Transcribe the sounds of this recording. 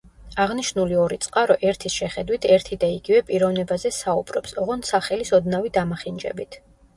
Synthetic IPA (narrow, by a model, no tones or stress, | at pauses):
aʁniʃnuliɔɾit̪sʼqʼaɾɔʔɛɾt̪ʰisʃɛχɛd̪wit̪ʰɛɾt̪ʰid̪aiɡivɛpʼiɾɔvnɛbazɛsaubɾɔpsɔʁɔnsaχɛlisɔd̪navid̪amaχind͡ʒɛ̰bit̪ʰ